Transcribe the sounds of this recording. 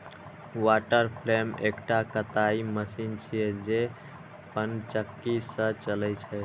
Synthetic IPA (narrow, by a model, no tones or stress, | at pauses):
waʈəɾpʰlemekʈakət̪aiməsint͡ʃʰijɛd͡ʒe | pənt͡ʃəkːisə̃t͡ʃəlɛjt͡ʃʰɛ